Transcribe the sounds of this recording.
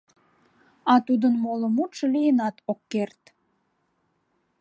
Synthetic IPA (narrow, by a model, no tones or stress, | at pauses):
ɑt̪ud̪ənmoləmut̪ʃəlijənɑt̪okːert̪